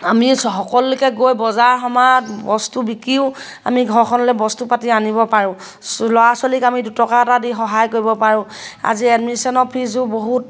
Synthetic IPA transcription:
amisɔxɔkɔlʊlʊkɛɡojbɔzaɹxɔmatbɔstubikɹiʊ | a̰miɡʱɔɹkʰɔnɔlɛbɔstupatianibɔpaɹʊ̃ | lɔasɔlikamidutɔkatadixɔɦajkoɹibɔpaɹʊ̃a̰ziɛdmisɔnɔpʰizʊboɦut̚

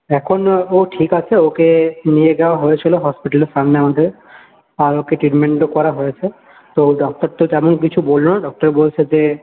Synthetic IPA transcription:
ɛkʰonoʈʰikat͡ɕʰeokenijeɡɛoaɦoet͡ɕʰiloɦɔspiʈaleɾsamneamad̪ʱeɾ | aɾokeʈɾiʈmeɳʈokɔɾaɦojet͡ʃʰe | t̪oɖɔk̚ʈ̪ɔɾt̪ot̪ɛmonkit͡ɕʰubolonaɖɔk̚ʈɔɾbolt͡ʃʰed͡ʑe

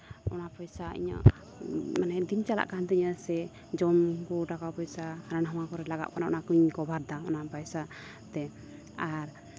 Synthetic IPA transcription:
ɔnapɔjsaḭɲə̰ʔ | manɛd̪int͡ʃala̰ʔkant̪ɛiɲəsɛ | d͡ʒɔmkɔɖakawpɔjsaɾanɦɔwakɔɾɛlaɡaʔ̪̚kɔnaʔɔ̰nakuɲkɔbʱaɾd̪aɔ̰napajsa | t̪ɛ | aɾ

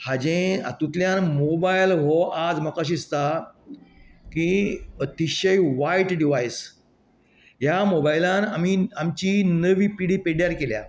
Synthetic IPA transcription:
had͡ʑẽa̰t̪ũt̪ljãnmobajlɦoʔad͡zm̤akaɕ̬ist̪a | kiət̪iɕəjʋaiʈɖiʋajs | ɦjamobajlãnamiamt͡ɕinəʋiːpiɽipeɽjaɾkelja̰

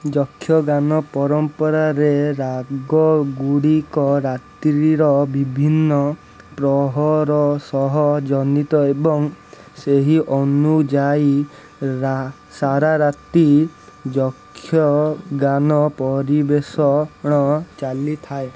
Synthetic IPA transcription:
d͡ʒɔkʰːjɔɡanɔpɔɾɔmpɔɾaɾeɾaɡɔɡuɽikɔɾat̪ɾiɾɔbibʱinːɔ | pɾɔɦɔɾɔsɔɦɔd͡ʒɔnit̪ɔebɔŋ | seɦiʔɔnud͡ʒai | a | saɾaɾat̪i | d͡ʒɔkʰːjɔɡanɔpɔɾibesɔɽ̃ɔt͡ʃalit̪ʰae

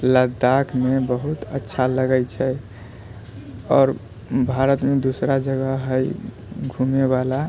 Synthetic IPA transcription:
ləd̪akʰmebəɦut̪ətːʃʰaləɡəjt͡ʃʰɛ | ɔːɾ | bʱaɾət̪med̪usɾad͡ʒəɡəɦəj | ɡʱumeβala

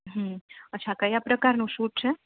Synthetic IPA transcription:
ɦmətːt͡ʃʰakəjapɾəkaɾnũʃũʈt͡ʃʰe

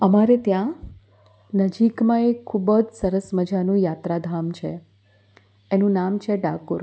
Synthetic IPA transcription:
əmaɾet̪jã | nəd͡ʒikmãekʰːubəd͡ʒsəɾəsməd͡ʒanũjat̪ɾad̪ʱamt͡ʃʰe | enũnamt͡ʃʰeɖakoɾ

